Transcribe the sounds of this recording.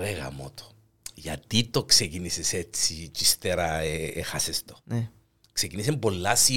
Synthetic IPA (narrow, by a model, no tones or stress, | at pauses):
eɣɐ̰mot̪o̥ | ʝɐ̰t̪it̪o̞ksekiniseset͡sːit͡ʃist̪eɾɐeexɐsest̪o | kse̞kinis̬empo̞lːasi